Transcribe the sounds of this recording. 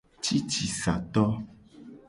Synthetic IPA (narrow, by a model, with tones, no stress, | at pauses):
t͡ʃi˦t͡ʃi˨sa̰˨t̪ɔ˦